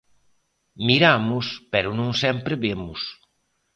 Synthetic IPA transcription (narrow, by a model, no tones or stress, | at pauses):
miɾamʊspɛɾʊnõŋsɛmpɾeβemʊs